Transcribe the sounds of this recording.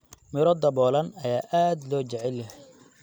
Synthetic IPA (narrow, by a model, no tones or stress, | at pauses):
mɪɾɔd̪ɐbɔːlɐnɐjaːʔaːd̪lɔːt͡ʃɛʕɛlːɦɛ